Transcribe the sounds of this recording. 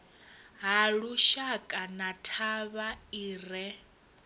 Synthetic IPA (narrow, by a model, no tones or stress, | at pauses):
ɦaɺuʃakʼanatʰaβaiːrɛ